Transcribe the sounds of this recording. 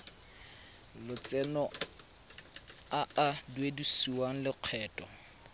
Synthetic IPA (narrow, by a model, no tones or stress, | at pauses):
lʊt͡sʼɛnɔ | aadwedisuwaŋ̩lɪq͡χʰɛːtʼɔ